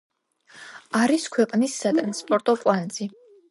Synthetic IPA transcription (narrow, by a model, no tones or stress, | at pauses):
aɾiskʰwɛqʼnisːat̪ʼɾanspʼɔɾt̪ʼɔkʼwanz̥i